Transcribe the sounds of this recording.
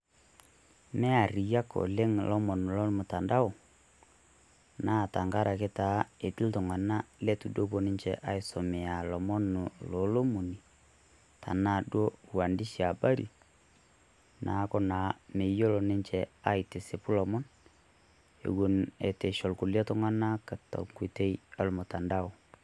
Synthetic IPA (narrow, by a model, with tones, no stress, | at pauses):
mɛ˦a˨ɾi˨ja˦kɔ̰˨le˦ŋlʔɔ˦mɔ˨nu˨lɔ˦mʊ˨ta˨nda˦ʊ˨ | naː˦˨ta˨ŋɡa˦ɾʔa˨ke˦ta˨˦e˨tɪ˦ltʊ˨ŋa˨na˦lɛ˦tu˨do˦bo˨nɪ˦ɲt͡ʃɛ˨ʔa˦ɪ˨sɔ˨mɛ˨a˨lɔ˨mɔ˦nʊ˨lɔ˨lo˦mu˨ni˨ | tʰa̰˨na˨dwo˦wa˨ndi˦ʃa˨ba˦ɾḭ˨ | na˨˦kɔ˦na˨me˨jo˦lɔ˨nɪ˦ɲt͡ʃɛ˨a˦ɪ˨te˨se˨pu˦lɔ˨mɔ˦n | ḛ˨ɡu˦ne˨te˨ʃɔ˨lku˨lja˦tʊ˦ŋa˦na˦kə˨tɔ̰˨ŋki˨te˦ja˨lmʊ˨ta˨nda˦ʊ˨